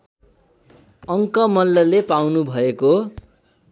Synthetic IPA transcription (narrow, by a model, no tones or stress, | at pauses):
ʌŋkʌmʌlːʌlepawnubʱʌeko